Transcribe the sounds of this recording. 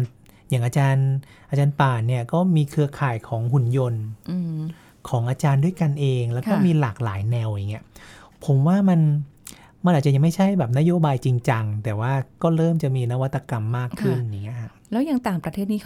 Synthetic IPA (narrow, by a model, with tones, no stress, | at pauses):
jaː˨˩ŋʔaː˧t͡ɕaː˧nʔaː˧t͡ɕaː˧npaː˨˩ni˥˩ɐkɔː˥˩miː˧kʰɯ˧ɐkʰaː˨˩jkʰɔː˩˦ŋhu˨˩njo˧nɯː˧ | kʰɔː˩˦ŋʔaː˧t͡ɕaː˧ndu˥˩əjka˧nʔeː˧ŋlɛː˦˥wkɔː˥˩miː˧laː˨˩k̚laː˩˦jnɛ˧wja˨˩ŋːi˦˥ɐpʰo˩˦mwaː˥˩ma˧n | ma˧nʔaː˨˩t̚t͡ɕa˨ja˨˩ma˥˩jt͡ɕʰa˥˩jbɛː˨˩p̚na˦˥joː˧˥˩baː˧jt͡ɕi˧ŋt͡ɕa˧ŋt̪ɛː˨˩waː˥˩kɔː˥˩ɾɤː˥˩mt͡ɕa˨˩ʔmiː˧na˦˥wa˦t̪ʰːa˧ka˧mːaː˥˩kʰːɯ˥˩nja˨˩ŋːi˦˥ɐkʰa˦˥˩lɛː˦˥wjaː˨˩ŋt̪aː˨˩ŋpɾa˧t̪ʰeː˥˩t̪̚niː˦˥